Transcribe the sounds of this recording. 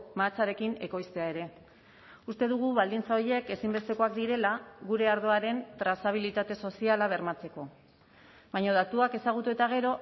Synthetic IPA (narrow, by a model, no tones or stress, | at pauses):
mat͡saɾe̞kine̞ko̞jst̪e̞ae̞ɾe̞ | ust̪e̞ðuɣ̞uβald̪int͡saoje̞ke̞simbe̞st̪e̞ko̞akd̪iɾe̞laɣuɾe̞aɾð̞o̞aɾe̞nt̪ɾasaβ̞ilit̪at̪e̞so̞sialaβ̞e̞ɾmat͡se̞ko̞ | βaɲoðat̪uake̞saɣ̞ut̪ue̞t̪aɣ̞e̞ɾo̞